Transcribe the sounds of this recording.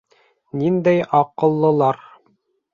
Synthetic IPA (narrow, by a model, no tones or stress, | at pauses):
nind̪æjɑqɤ̆lˠːɤ̆lˠɑɾ